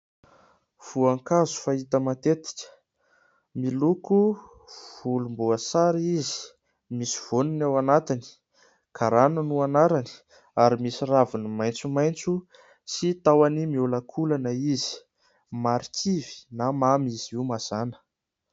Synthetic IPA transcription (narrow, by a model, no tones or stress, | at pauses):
v̥uaŋkazu̥fait̪əmat̪et̪i̥kə̥ | miluku | v̥ulumbuəsaɾizi̥ | misi̥v̥onunawanat̪ini̥ | kʰaɾanənuanaɾani̥ | aɾimisiravunimajnt͡sumajnt͡su | sit̪awanimiulakʰulanəizi̥ | maɾit͡sivi̥namamiz̥iwmaz̥anə̥